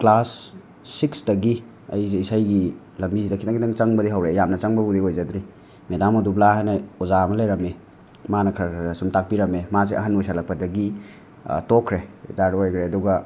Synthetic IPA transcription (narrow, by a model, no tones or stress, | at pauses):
klasː | iksdɐɡi | ɐ̰jzeisajɡi | lɐmbizidɐkʰitaŋkitaŋt͡ʃɐŋbɐdiɦawɾejamnɐt͡ʃɐŋbɐbudiojzad̪ɾi | medamɐdublaɦajnɐozamɐlejɾɐme | manɐkʰɐɾkɾsumtak̚piɾɐmemazeɐ̰ɦanojsalɐk̚pɐdɐɡḭ | tokʰɾezaɾojkʰɾeɐduɡɐ